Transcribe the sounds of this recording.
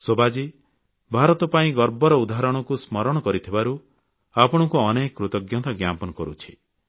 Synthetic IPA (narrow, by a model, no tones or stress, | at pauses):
sobad͡ʒi | bʱaɾɔt̪ɔpaĩɡɔɾbɔɾɔud̪aɦaɾɔɽ̃ɔkusmɔɾɔɽ̃ɔkɔɾit̪ʰibaɾu | apɔɽ̃ɔkuɔnekɔkɾut̪ɔɡjɔt̪ɔɡjapɔnɔkɔɾṵt͡ʃʰi̥